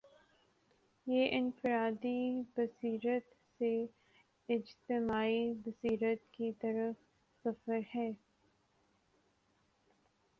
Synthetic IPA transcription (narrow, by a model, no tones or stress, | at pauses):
jeːʔɪnfɪɾaːd̪ibɐsiːɾət̪ | se | ɪd͡ʒt̪ɪmaːibɐsiːɾət̪kit̪ɐɾəf | sɐfəɾhɛː